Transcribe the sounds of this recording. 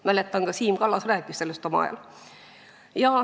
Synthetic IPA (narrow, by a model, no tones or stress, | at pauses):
mælet̪ːɑŋɡ̥ɑsiːmɡ̥ɑlːɑsræːkːist̪elːøst̪omɑɑ̰jɑ̰l | jɑː